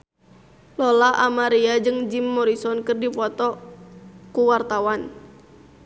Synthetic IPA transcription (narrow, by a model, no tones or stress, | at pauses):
lɔlaʔamaɾiad͡ʒɨŋd͡ʒimːɔɾisɔnkɨrdipɔt̪ɔ | kuwart̪awan